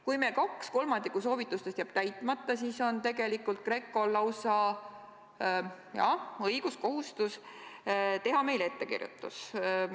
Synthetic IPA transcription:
kujmekɑksko̞lmɑnd̪ikːus̬o̞ːvit̪ːˑust̪e̞st̪jæːb̥̚t̪æjt̪ˑmɑt̪ːˑɑsiːso̞nt̪e̞ɡ̥e̞likːult̪̚kre̞ːkːˑo̞lɑwsɑ | jɑ̰ɤ̞jɡ̥usko̞ɦust̪us | t̪e̞ɦɑme̞jle̞t̪ːe̞kḭrjṵt̪ːˑṵs

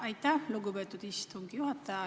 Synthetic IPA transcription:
ajt̪aloɡobɛt̪ːut̪iʃt̪uŋkioat̪ːa

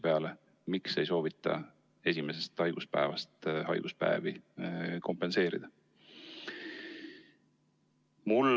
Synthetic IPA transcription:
pe̞ɑle̞ | mikse̞jso̞ːvit̪ːˑɑ̰ | e̞s̬ʲime̞se̞st̪ɑjɡ̥uspæ̰evɑst̪hɑ̰jɡ̥uspæ̰eviko̞mpe̞nse̞ːɾḭd̪̥ɑ | mul

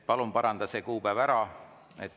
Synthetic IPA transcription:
pɑlumpɑɾɑnd̪̥ɑse̞ːkuːpævæɾɑ | et̪ː

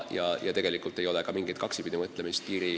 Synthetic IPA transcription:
jɑ̰jɑ̰t̪e̞ɡe̞likˑult̪ːˑejo̞lekɑmiŋɡ̥ijt̪̚kɑksipid̪imɤt̪ːˑlemist̪iːɾi

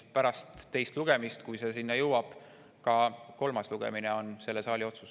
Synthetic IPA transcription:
pæɾɑst̪ːe̞jst̪luɡ̥emist̪kujse̞sinːɑjɤwɑb̥ | kɑko̞lmɑsluɡ̥ḛmineo̞nse̞lːe̞sɑːlio̞t̪su̥s

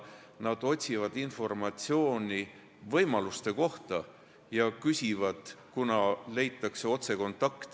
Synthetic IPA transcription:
nɑd̪̥o̞t̪ʲsivɑd̪info̞rmɑt̪ʲsio̞ːnʲi | vɤjmɑlust̪e̞ko̞ht̪ɑ | jɑkysʲivɑd̪̥kunɑle̞jt̪ːˑɑkse̞o̞t̪se̞ko̞nt̪ːˑɑkt̪

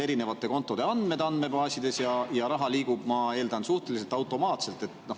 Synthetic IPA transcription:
e̞ɾine̞vɑt̪ːˑe̞ko̞nt̪ːˑo̞d̪e̞ɑnd̪̥med̪̥ɑnd̪me̞bɑːsʲid̪̥e̞sjɑjɑɾɑɦɑliːɡub̥mɑe̞ːld̪ɑnsuht̪e̞lise̞lt̪ˑɑwt̪ːˑo̞mɑːt̪se̞lt̪ːˑe̞t̪ːno̞

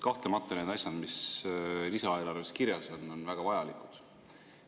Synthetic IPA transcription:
kɑht̪lemɑt̪ˑːɑneːd̪ɑsʲjɑd̪̥mislisɑe̞ːlɑrveskiɾjɑso̞nːo̞nvæɡ̥ɑvɑjɑlikud̪̥

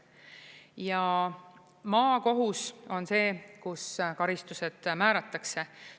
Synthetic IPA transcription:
jɑ | mɑːko̞ɦuso̞nse̞ːkuskɑɾist̪use̞d̪̥mæːɾɑt̪ːˑɑkse̞

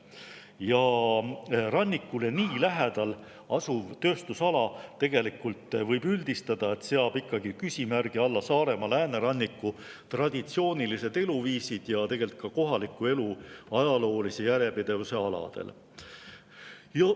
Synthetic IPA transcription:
jɑ | rɑnʲːikːule̞niːlæɦed̪ɑl | ɑsuvt̪ø̞ːst̪usɑlɑt̪e̞ɡ̥e̞likult̪ːvɤjbyld̪̥ist̪ɑd̪̥ɑe̞t̪seɑb̥ikːˑɑɡikysʲimærɡ̥iɑlːɑsɑːɾe̞mɑlæːneɾɑnʲːikːˑu | t̪rɑd̪̥ʲit̪sio̞ːnʲilise̞d̪̥e̞luviːsid̪̥jɑt̪e̞ɡe̞lt̪̚kɑko̞ɦɑlikːˑue̞luɑjɑlo̞ːlise̞jæɾepid̪̥e̞vuse̞ɑlɑ̰d̪̥e̞̰l | jɑ

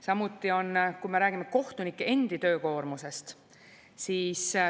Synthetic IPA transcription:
sɑmut̪ˑːio̞nkujme̞ɾæːɡ̥imːeko̞ht̪unikːˑee̞nd̪̥it̪ø̞ːko̞ːrmuse̞st̪ | siːs

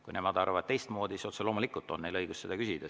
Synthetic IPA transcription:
kkṵjnemɑd̪ɑrɑvɑt̪̚t̪e̞jst̪mo̞ːd̪̥ʲisiso̞t̪selo̞ːmulikˑult̪ːˑo̞nnːejlɤjɡ̥usse̞d̪ɑkysid̪̥ɑ

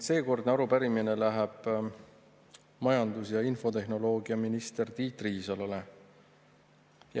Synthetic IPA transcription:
se̞ːko̞rd̪neɑɾupæɾimine̞læɦeb̥ | mɑjɑnd̪usjɑinfo̞t̪e̞ɦno̞lo̞ːɡiɑminist̪e̞rt̪iːt̪riːsɑlole | j

